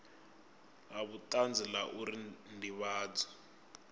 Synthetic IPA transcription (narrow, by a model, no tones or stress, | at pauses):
ɦaβutand͡zʱilaʔuɾindiβaːd͡zɔ̥